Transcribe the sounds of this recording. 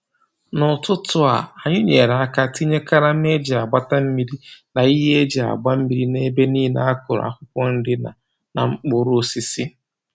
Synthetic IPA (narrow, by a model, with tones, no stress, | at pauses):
nʊ˨tʊ˦tʊ˦a̰˨a˨ɲʊ˦ɲe˨ɾa˦ka˦˨ti˦ɲe˦ka˦ɾa˦m̩˦e˦d͡ʒɪ˨a˨ɡ͡ba˦ta˦m̩˦mi˦ɾi˦na˨i˦ɦe˦e˦d͡ʒe˨a̰˨ɡ͡ba˦m̩˦mi˨ɾi˦ne˦be˦niː˦na˦a˦kʊ˨ɾ̰a̰˨kʷʊ˦kʷɔ˦n̩˦dɪ˦na̰˨ | na˨ŋ͡m̩˦k͡pʊ˦ɾo˦si˦si˦